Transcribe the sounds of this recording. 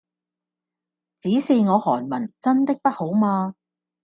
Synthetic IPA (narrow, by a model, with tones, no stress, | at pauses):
t͡siː˨˥siː˨ŋɔː˨˧hɔ̰ː˨˩nmɐ˨˩nt͡sɐ˥nt̪ɪ˥k̚pɐ˥t̚ho˨˥wmaː˧